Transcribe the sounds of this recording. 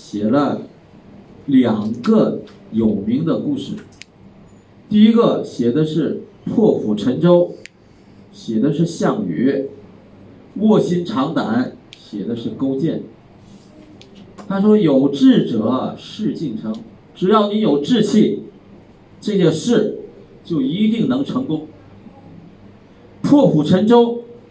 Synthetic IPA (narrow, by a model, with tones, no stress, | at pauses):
ɕjɛ˨˩lə˧ | ljɑ˨˩ŋɡə˧jo˨˩ʊmi˧˥ŋd̪ə˧ku˥˧ʂɻ̩˥˩ | t̪i˥˩i˥ɡə˧ɕjɛ˧˩d̪ə˧ʂɻ̩˥˧ | pʰwɔ˥˩pʰu˨˩ʈ͡ʂʰə˧˥ŋt͡ɕo˥ʊ | ɕjɛ˨˩d̪ə˧ʂɻ̩˥˧ɕjɑ˥˩ŋy̰˧˥ | wwɔ˥˩ɕi˥nʈ͡ʂʰɑ˧˥ŋt̪a̰˨˥˦nɕjɛ˨˩d̪ə˦ʂɻ̩˥˩ko˥ʊt͡ɕjɛ˥˩n | t̪ʰa˥ʂwɔ˥jo˨˩ʊʈ͡ʂɻ̩˥˩ʈ͡ʂɤ˨˩˦ɐ˧ʂɻ̩˥˧t͡ɕi˥˩nʈ͡ʂʰɤ˧˥ŋ | ʈ͡ʂɻ̩˨˩jɑ˥˩ʊni˧˥njo˨˩ʊʈ͡ʂɻ̩˥˧t͡ɕʰi˥˩ | ʈ͡ʂɤ˥˧ɕɛ˥˧nʂɻ̩˥˩ | t͡ɕjo˥˩ʊi˧˥t̪i˥˩ŋnɤ˧˥ŋʈ͡ʂʰɤ˧˥ŋkʊ˥ŋ | pʰwɔ˥˩kʰu˨˩ʈ͡ʂʰə˧˥ŋʈ͡ʂo˥ʊ